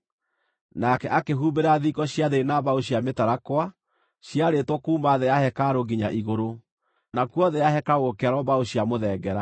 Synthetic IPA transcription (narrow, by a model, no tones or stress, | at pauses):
nakɛʔakeɦubeɾaðikɔɕjaðeenaβaoɕjametaɾakwa | ɕjaɾetwɔkuːmaðejahɛkaɾoɣiɲaʔiɣoɾo | nakwɔðejaɦɛkaɣokɛaɾɔβaoɕjamoðɛɡɛɾa